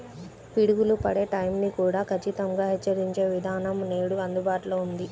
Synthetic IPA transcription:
piɽuɡulupɐɽe̞ːʈɐjmnikuːɽaːkʰɐt͡ʃːit̪ɐŋɡaːɦɛt͡ʃːɐɾiɲt͡ʃe̞ːʋid̪ʱaːnɐmneːɽuɐnd̪ubaːʈloːund̪i

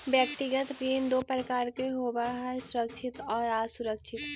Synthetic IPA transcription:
bjək̚ʈ̪ɪɡət̪ɾeːnd̪opɾəkaːɾkeɦobaɦasʊɾəkʃʰɪt̪ɔːɾaːsʊɾəkʃʰɪt̪

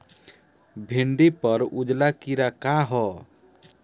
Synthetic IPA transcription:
bʱeɳɖipʌɾud͡ʒlakiɾakaɦɔ

